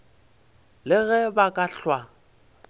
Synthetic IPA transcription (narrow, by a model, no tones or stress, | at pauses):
lɪɣɛbakʼaɬwa